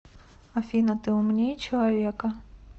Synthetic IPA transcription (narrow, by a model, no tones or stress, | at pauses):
ɐfʲinɐt̪ɪʊmnʲijt͡ʃɔlˠɐʋʲikɐ